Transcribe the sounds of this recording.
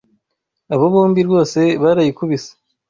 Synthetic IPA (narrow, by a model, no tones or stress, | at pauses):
aβoβuːmbiɾɡo̞ːse̞βaɾajikuβisḁ